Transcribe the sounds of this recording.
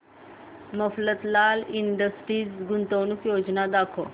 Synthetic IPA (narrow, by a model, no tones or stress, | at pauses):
məflət̪lalinɖəsʈɾiːsɡunt̪əwnukjod͡ʑnad̪akʰo